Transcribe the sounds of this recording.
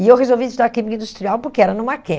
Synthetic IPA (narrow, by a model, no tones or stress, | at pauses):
iewʁezowvisd̪aɾkimĩɲɐ̃ĩnd̪ust̪ɾiawpʊɾkeɛɾɐnũmakẽ